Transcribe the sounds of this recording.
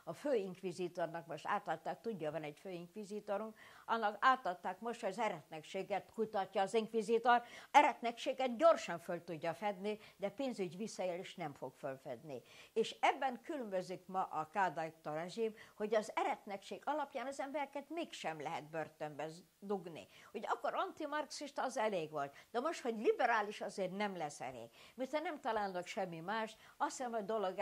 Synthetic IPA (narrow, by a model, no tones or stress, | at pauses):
ɒføːiŋkʋizit̪ornɒkmoʃt̪a̰ːt̪ɒt̪ːaːk̚t̪uɟːɒvɒnɛcføːiŋkʋizit̪oɾuŋkɒnːɒkaːt̪ɒt̪ːaːkmo̞ʃt̪ɒzɛɾɛt̪nɛkʃeːɡɛt̪kut̪ɒcːɒːziŋkʋizit̪orɛɾɛt̪nɛkʃeːɡɛt̪ɟo̞rʃɒɱfølt̪uɟːɒfɛd̪nid̪ɛpeːnzyɟvisːɒeːleːʃnɛɱfoɡfølfɛ̰d̪nḭeːʃɛbːɛŋkylømbøzikmɒʔɒkaːd̪ajt̪ːorɛʒimho̞ɟɒzɛɾɛt̪nɛkʃeːɡɒlɒpjaːnɒzɛmbɛɾɛkɛt̪meːkʃɛmlɛɦɛ̰d̪̚børt̪ømbɛ | d̪uɡnḭho̞ɟɒkːo̞ɾɒnt̪imɒrksiʃt̪ɒːzɛleːɡʋolt̪d̪̥ɛmo̞ʃt̪ho̞ɟlibɛɾaːliʃɒzeːrnɛmlɛsɛ̰lḛːɡmirt̪hɛnɛmt̪ɒlaːlnɒkʃɛmːimaːʃt̪ | ɒsɛmɒd̪o̞loɡ